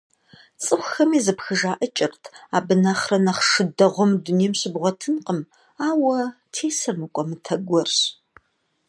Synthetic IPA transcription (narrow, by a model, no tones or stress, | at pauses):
t͡sʼɨxʷxɐmiːzɨpxɨʒaːʔət͡ʃʼɪrtʰaːbɨnaχrɐnɐχʂɨdɐʁʷɔmduneːmɕɪbʁʷɔtʰɨnqʼəm | aːwɐ | tʰeːsɐmɨkʷʼɔmɨtʰɐɡʷɔrɕ